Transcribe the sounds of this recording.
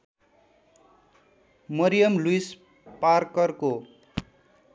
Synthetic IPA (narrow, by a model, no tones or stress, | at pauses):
mʌɾijʌmluis | parkʌrko